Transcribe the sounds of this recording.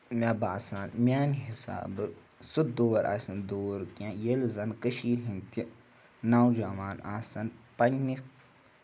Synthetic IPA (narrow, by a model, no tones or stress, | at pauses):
mʲaːbaːsaːnmʲaːnɦisa̰ːbɨ | sut̪̚d̪oːɐɾʔa̰ːsɐnd̪oːɾkãjelzɐnkəʃiːlɦint̪i | naːwd͡ʒamaːnaːsɐnpɐnːik